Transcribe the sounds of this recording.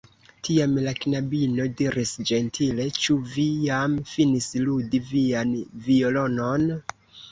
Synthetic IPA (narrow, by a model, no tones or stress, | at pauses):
tʰiamlaknabino̞diɾʔisd͡ʒe̞ntʰile̞t͡ʃuvijamfinisludivianvio̞lo̞non